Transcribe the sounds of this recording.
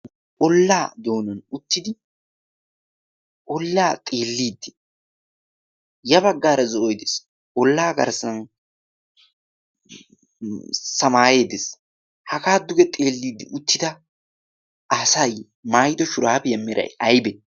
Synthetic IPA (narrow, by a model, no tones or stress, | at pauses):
ʔɔlːaːd̪o̞ːnɔnʊt̪ːɪd̪ɪ | ʔɔlːaːt̪ʼeːlːiːd̪ːɪ̥ | jɐbɐɡːaːɾɐzɔʔɔjd̪es | ɔlːaːɡɐ̰ɾsɐn | sɐmaːje̞ːd̪ɛs | hɐkaːd̪ʊɡɛt̪ʼe̞ːlːiːd̪ːɪ̰ʔʊt̪ːɪd̪ɐ | ɐsɐj | maːjɪd̪ɔʃʊɾaːbɛjɐmːɪɾɐ̰jɐjbɛ